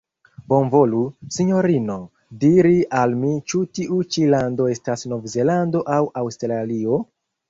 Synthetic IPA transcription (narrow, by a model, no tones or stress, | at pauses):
bo̞nvo̞lusiɲo̞ɾino̞ | diɾiʔalmit͡ʃutiʔut͡ʃilando̞e̞stasno̞vze̞lando̞ʔawawstɾalio̞